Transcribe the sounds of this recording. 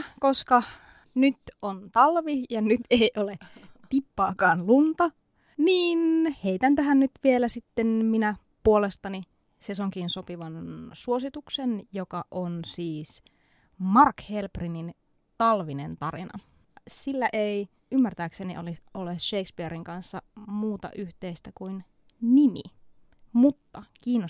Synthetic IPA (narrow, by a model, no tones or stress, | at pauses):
koskɑ | nyt̪ont̪ɑlʋijɑnyt̪eiʔolet̪ipːɑːkɑːnlunt̪ɑ | niːnheit̪ænt̪øɦænnyt̪ʋielæsit̪ːenminæ | puolest̪ɑni | sesoŋkinsopiʋɑnsuosit̪uksenjokɑʔonsiːs | mɑrkhelprinin | t̪ɑlʋinent̪ɑrḭnɑ̰ | silːæʔei | ymːært̪æːkseniʔoliolesʃeikspieɾiŋkɑnsːɑmuːt̪ɑ̰ʔyht̪eist̪ækuin | nimḭ | mut̪ːɑkiːnːo